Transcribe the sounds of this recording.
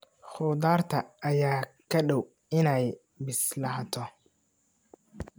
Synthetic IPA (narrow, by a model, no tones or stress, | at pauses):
χʊːd̪aːrt̪ʰɐːjaːkʰɐɖɔw | ɪnɛj | bɪslɐɦt̪ʰɔ